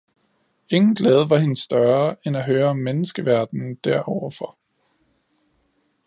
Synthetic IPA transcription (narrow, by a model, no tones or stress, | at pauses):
e̝ŋn̩ɡ̥lɛːð̞ˠʋɑ̈ɦe̝nəsːd̥ɶɐːenæɦøːɐɒ̽mːenəsɡ̥əʋæɐd̥n̩d̥æɐ̰ʔɒʊɐfɒ̽